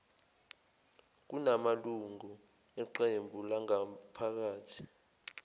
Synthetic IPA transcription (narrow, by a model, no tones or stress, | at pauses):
k̬unamaluŋu | ɛǃembʱulaŋapʰak̬aːtʰi̥